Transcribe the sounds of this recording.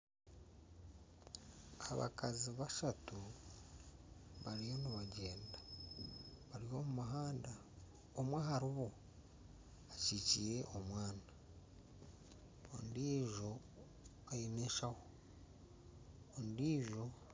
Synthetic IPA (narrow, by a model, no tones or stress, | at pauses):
aβa̰kaziβaʃatu | βaɾijo̞niβaɟeːnda | βaɾijo̞mumaɦaːnda | omwahaɾiβo | acicije̞ʔomwaːna | o̰ndiːʒo̞ | ajineʃaho | ondiːʒo̞